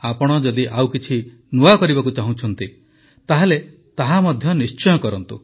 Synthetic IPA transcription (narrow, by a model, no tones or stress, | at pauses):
apɔɽ̃ɔd͡ʒɔd̪iʔawkit͡ʃʰi | nuakɔɾibakut͡ʃaɦũt͡ʃʰɔnt̪i | t̪aɦele | t̪aɦamɔd̪ʱjɔnist͡ʃɔjɔkɔɾɔnt̪ṵ